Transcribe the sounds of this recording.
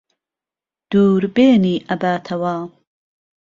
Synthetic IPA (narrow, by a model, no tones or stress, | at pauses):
d̪̥uːɾbeːniːʔɐbaːt̪ʰɐwaː